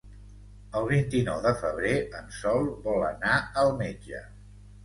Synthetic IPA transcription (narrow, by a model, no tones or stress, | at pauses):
əlˠβint̪inɔwðəfəβ̞ɾeənsɔlˠβɔlə̰naəlˠmed͡ʒə̰